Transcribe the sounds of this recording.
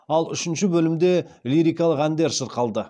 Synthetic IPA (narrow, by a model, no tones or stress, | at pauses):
ɑlˠʏ̰ʃɪnʃɪbɵlɪmd̪e̞liɾʲijkɑlˠəqænd̪e̞ɾsəɾqʰɑlˠd̪ə